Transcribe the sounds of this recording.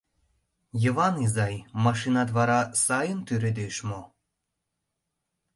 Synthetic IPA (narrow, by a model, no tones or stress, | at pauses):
jəβɑnizɑjmɑʃinɑd̪βɑɾɑsɑjənt̪yɾed̪eʃmo